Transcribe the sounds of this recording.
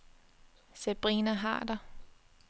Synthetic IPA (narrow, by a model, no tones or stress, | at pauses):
seb̥ʁiːnɐɦɑ̰̈ːd̥ɐ